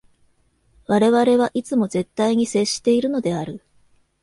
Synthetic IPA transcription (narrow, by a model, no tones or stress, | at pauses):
βaɾe̞βaɾe̞βaʔit͡sɨmo̞ze̞t̪ːaiɲ̟ise̞ɕi̥t̪e̞iɾɯ̟no̞d̪e̞aɾɯ̟